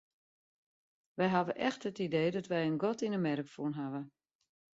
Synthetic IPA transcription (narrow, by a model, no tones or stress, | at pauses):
ʋɛjɦaʋəʔɛxtətidejdɔtʋɛjənɡɔtinəmɛɾəkfunɦavə